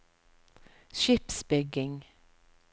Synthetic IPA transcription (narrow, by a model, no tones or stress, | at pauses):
ʃɪpsbʏɡɪŋ